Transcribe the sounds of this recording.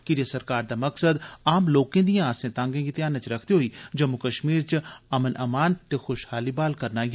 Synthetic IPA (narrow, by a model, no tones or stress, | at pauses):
kɪd͡ʒiasəɾkaːɾd̪aːməksəd̪aːmloːkẽːd̪ijãaːsẽːt̪ãːŋɡẽːɡit̪ɪjaːnãːt͡ʃɾəkʰd̪iɦoiːd͡ʒəmukəʃmiːɾt͡ʃəmənʔəmaːnt̪eːxʊʃhaːliːbaːlkəɾnaːɡ